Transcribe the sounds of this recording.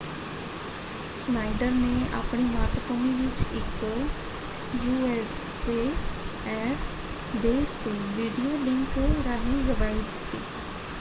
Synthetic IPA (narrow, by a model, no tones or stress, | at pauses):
snaːɪɖəɾneːa̰ːpɳiːmaːt̪əkomiʋɪt͡ʃɪk | juːɛːs | eː | ɛːf | beːst̪eʋiːɖioːɖɪ̃ŋkɾaːnĩːzəbaːid̪ɪ̥t̪ːiː